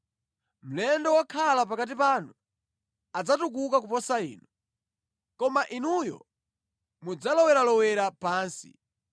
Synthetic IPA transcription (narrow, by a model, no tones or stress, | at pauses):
m̩lɛndɔwakʰalapakat̬ipaːnu | ad͡zatuk̬ukak̬upɔsaḭːnu | kɔmaʔinujɔ̰ | mud͡zalɔwɛɾalɔwɛɾapaːnsḭ